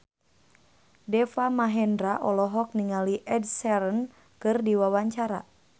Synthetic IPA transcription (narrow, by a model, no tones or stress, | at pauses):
dɛfamaɦɛndɾaʔɔlɔɦɔk̚niŋaliʔɛdsɛɾən | kɨrdiwawaɲt͡ʃaɾa̰